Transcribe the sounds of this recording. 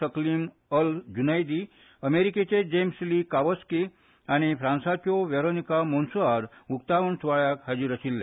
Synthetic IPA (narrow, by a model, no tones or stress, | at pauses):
əklim | əld͡ʒunajd̪i | əmeɾiket͡ɕed͡ʑemslikaʋəski | añipʰɾãːnsat͡ɕoʋeɾonikamonsuaɾukt̪aʋənsʋaɭjakɦad͡ʒiɾəsilːe